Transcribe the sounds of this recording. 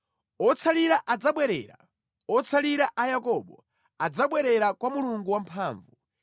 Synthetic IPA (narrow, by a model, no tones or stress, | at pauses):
ɔt͡sʰaliɾaʔad͡zaɓwɛɾɛ̰ːɾa̰ | ɔt͡sʰaliɾaʔajakɔɓɔ | ad͡zaɓwɛɾɛɾakwamuluŋɡuwampʰaːɱvu